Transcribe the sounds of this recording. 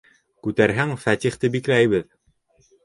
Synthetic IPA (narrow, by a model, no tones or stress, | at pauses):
kʉt̪æɾɦæŋfæt̪ʲiχt̪ɘbiklæjβɘð